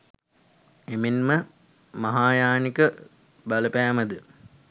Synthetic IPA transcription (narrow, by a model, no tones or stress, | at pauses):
eminmə | mɐɦaːjaːnikə | bɐləpæːməd̪ə